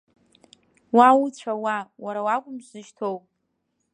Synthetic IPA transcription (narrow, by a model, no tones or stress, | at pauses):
wawut͡ɕʷʰawawaɾawakʷʼʊmʃʷɨʒtʰowpʼ